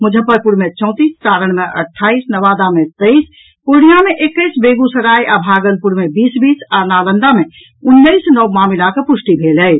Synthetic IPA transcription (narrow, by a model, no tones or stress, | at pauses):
mʊd͡ʒʱəpəɾpuɾmet͡ʃɔ̃ʊ̃t̪iːskaːɾəɽ̃meʔə̰ʈʰːaːisnəʋad̪amet̪əis | puɽijameʔekːəɪsbeɡusəɾajʔabʱaːɡəlpuɾmebiːsbiːsanalənd̪ame | ʊnːəisnəmamilakepʊsʈibʱeləj